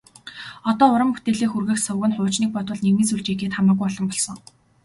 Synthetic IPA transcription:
ɔt̪ɔːʊɾə̆mpu̥t̪eːɮiːxurɣɘ̆xsʊɣɘ̆nχʊːt͡ɕniːk̚pɔt̪wə̆ɮnewmiːnsuɮt͡ɕekeːt̪χamaːɡujɔɮɞ̆mpɔɮsɞ̆ŋ

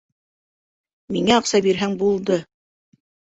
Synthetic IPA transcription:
miŋæɑqsɑbiɾɦæŋbulˠd̪ɤ

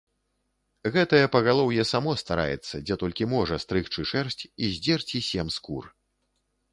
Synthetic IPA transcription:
ɣɛt̪ɐjɛpɐɣalˠɔwjɛsamɔst̪aɾa̰jɛ̰t̪sːɐd͡zʲɛt̪ɔlʲkʲimɔʐɐst̪ɾɨxt͡ʂɨʂɛrsʲt͡sʲizʲd͡zʲɛrt͡sʲisʲɛmskur

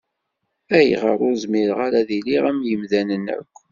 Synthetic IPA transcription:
æjʁəɾˤʊɾzmiɾʁaɾaðiliʁæmjəmðænənæ̰kʷː

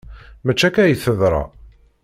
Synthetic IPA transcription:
mæt͡ʃːækæjiθəðˤɾˤɑ̰

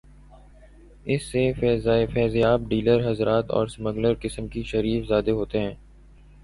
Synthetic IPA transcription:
ɪsːefɛːzjaːb̚ɖiːləɾɦɐzɾaːt̪ɔ̰ːɾsməɡləɾkɪsəmkiʃɐɾiːfzaːd̪eɦoːt̪eɦɛ̃ː

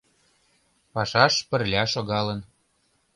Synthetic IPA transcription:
pɑʃɑʃpə̆rlʲɑʃoɣɑlən

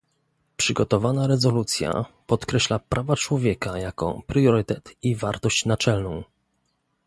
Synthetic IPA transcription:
pʂɘɡɔt̪ɔvanaɾɛzɔlut̪sʲja̰pɔt̪kɾɛɕlapɾʔavat͡ʂwɔvʲjɛkajakɔ̰pɾjɔɾɘt̪ɛt̪ivaɾt̪ɔɕt͡ɕnat͡ʂɛlnɔ̃w̃

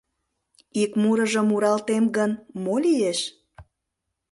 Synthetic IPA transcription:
ikmuɾəʒə̆muɾɑlt̪emɡənmolijeʃ

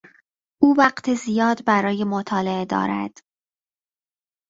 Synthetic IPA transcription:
ʔuːvæɢt̪ʰezijɒːd̪bæɾɒːjemot̪ʰɒːleed̪ɒ̰ːɾæ̰d̪̥

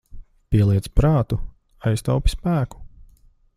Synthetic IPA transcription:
piɛlˠiɛspɾaːt̪u | ajst̪awpi̥spæːku̥

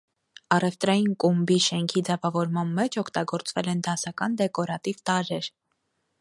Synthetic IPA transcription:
ɑrɛvt̪ɾɑjinkumbiʃɛŋkʰid͡zɛvɑvɔɾmɑnmɛt͡ʃʰɔkʰt̪ɑɡɔɾt͡svɛlɛnd̪ɑsɑkɑnd̪ɛkɔɾɑt̪ivt̪ɑɾɛɾ

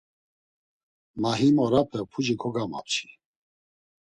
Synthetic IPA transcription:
maɦimɔɾapʰɛpʰud͡ʒikʰɔɡama̰p̚t͡ʃʰi̥

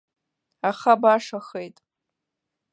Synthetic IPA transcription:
aχabaʂaχejtʼ

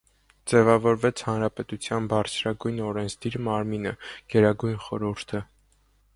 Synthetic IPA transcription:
d͡zɛvɑvɔɾvɛt͡sʰhɑnɾɑpɛt̪ut͡sʰjɑnbɑɾt͡sʰɾɑɡujnɔɾɛnt͡sʰd̪iɾmɑɾminəɡ̥ɛɾɑɡujnχɔɾuɾt̪ʰə

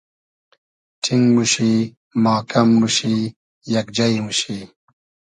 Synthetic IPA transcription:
ʈʰiŋɡmuɕi | maːkɐmːuɕi | jɐkd͡ʑɐjmuɕi

